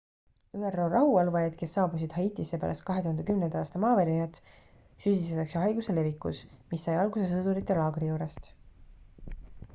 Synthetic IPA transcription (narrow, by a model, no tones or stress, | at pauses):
yːero̞ːrɑhuɑlvɑjɑd̪̥ke̞sːɑːbusid̪̥hɑit̪ːˑisːe̞pæ̰ːɾɑ̰st̪kɑɦe̞t̪uhɑnd̪e̞kymnend̪ɑɑːst̪ɑmɑːveɾinʲɑt̪ː | syːd̪ist̪et̪ːˑɑkseɦɑjɡuse̞le̞vikːṵsmisːɑjɑlɡuse̞s̬ɤd̪uɾit̪ːˑe̞lɑːɡ̥rijuːɾest̪